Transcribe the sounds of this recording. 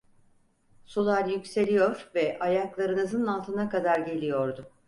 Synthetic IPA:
sulˠaɾjycse̞lʲijoɾvɛʔajaklˠaɾɯnɯzɯnalˠt̪ʰɯnakad̪aɾɟe̞lʲijo̞ɾd̪ʊ

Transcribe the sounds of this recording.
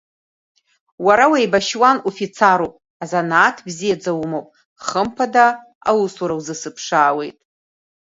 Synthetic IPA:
waɾawejbaʃwanufit͡sʰaɾopʼ | azanaːtʰbzijad͡zawumowpʼ | χəmpʰada | awusuɾawzɨsɨpʰʂaːwe̞jtʼ

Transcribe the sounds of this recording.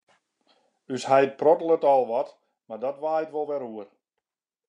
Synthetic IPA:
ysɦɛjprɔtəlˠətɔlˠʋɔt | mardɔtʋaːətʋolˠʋɛɾuər

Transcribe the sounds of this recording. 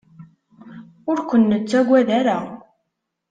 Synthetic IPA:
ʊɾkʷənːət͡sːæɡʷæðæɾa

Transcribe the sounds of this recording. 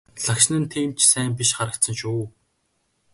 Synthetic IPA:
ɮakʃnə̆nt̪ʰiːmt͡ɕʰsæːmpiʃχaɾə̆k̚t̪sə̆nʃuː

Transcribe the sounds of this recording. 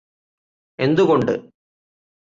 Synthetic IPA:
e̞nd̪uɣoɳɖɨ̰

